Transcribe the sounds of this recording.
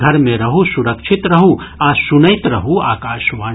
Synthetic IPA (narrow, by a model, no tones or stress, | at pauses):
ɡʱɐɾmẽɾɐɦusʊɾɐkʃʰɪt̪ɾɐɦuaːsʊnəɪt̪ɾɐɦuaːkaːʃʋaː